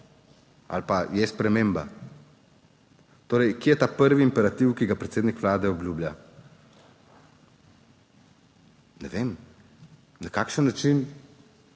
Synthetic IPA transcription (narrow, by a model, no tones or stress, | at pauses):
a̰lpajɛspɾɛmemba̰ | t̪oːɾɛjkejɛt̪aːpəɾʋiːmpɛɾat̪iwkiɡapɾɛt̪seːd̪nikʋlaːd̪ɛɔbljublja | nɛ̰ʋem | nakaːkʃənːat͡ʃin